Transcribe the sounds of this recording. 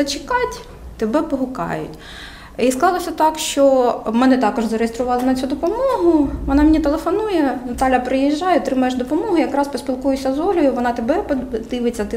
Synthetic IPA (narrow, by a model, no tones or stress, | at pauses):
ɐt͡ʃɪ̥kɑtʲ | t̪ebɛpɔɦʊkɑ̰jʊ̰tʲ | isklˠɑlˠɔsʲɐt̪ɑkʃt͡ʃɔmɛnɛt̪ɑkɔʒzɐɾejest̪ɾʊʋɑlˠɪnɐt͡sʲud̪ɔpɔmɔɦʊʋɔnɑmenʲit̪elˠefɔnujɛnɐt̪ɑlʲjɐpɾɪjiʒːɑjɛɔt̪ɾɪmɐjeʃd̪ɔpɔmɔɦʊjɐkɾɑspɔsʲpʲilˠkujʊsʲɐzɔlʲʊjʊʋɔnɑt̪ebɛpd̪ɪʋet͡sʲːɐt̪ɪ